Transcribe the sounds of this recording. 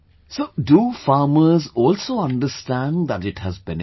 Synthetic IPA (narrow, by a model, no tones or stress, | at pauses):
soːɖufaːməzɔːlsoːʌ̃nɖəsʈæ̃nɖðæʈɪʈhəzbɛ̃n